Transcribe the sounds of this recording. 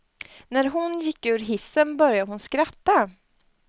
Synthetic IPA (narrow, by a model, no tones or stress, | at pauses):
næɾɦʊnjɪkːʉ̟ːɾɦɪsːənbœɾjaəɦʊnskɾat̪ːa